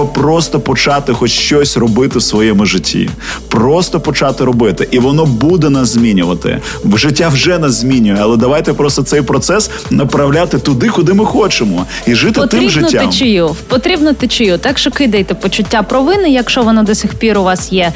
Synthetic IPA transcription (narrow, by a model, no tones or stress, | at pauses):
pɾɔst̪ɔpɔt͡ʃɑt̪ɪxɔt͡ʃʃt͡ʃɔsʲrɔbɪt̪ɪwsʋɔjɛmʊʒɪtʲʰːḭpɾɔst̪ɔpɔt͡ʃɑt̪ɪɾɔbɪt̪ɪʔiʋɔnɔbud̪ɛnɐzʲmʲinʲʊʋɐt̪ɪ̰ | ʒɪtʲːawʒɛnɐzʲmʲinʲʊjɛɐlˠɛd̪ɐʋajt̪ɛpɾɔst̪ɔt̪sɛjpɾɔt̪sɛs | nɐpɾɐwlʲat̪ɪt̪ʊd̪ɪkʊd̪ɪmɪxɔt͡ʃɪmɔ | iʒɪt̪ɪt̪miʒɪnʲːamt͡ʃɪjupɔt̪ɾʲibnɔt̪ɪt͡ʃɪjut̪ɛkʃɔkɪd̪ɐjt̪ɛpɔt͡ʃʊtʲːapɾɔʋɪnɪjɐkʃɔʋɔnɐd̪ɔsʲixpʲiɾʊʋɑsjɛ